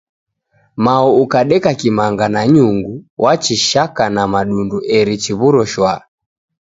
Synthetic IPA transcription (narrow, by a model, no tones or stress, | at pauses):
maɔukaɗɛkakimaŋɡanaɲuŋɡuwʔat͡ʃiʃakanamaɗunduʔɛɾit͡ʃiβuɾɔʃwa